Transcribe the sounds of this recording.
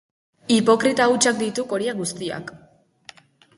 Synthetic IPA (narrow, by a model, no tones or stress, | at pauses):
ipo̞kɾit̪aut͡ʃak̚d̪it̪uko̞ɾiaɡust̪ia̰k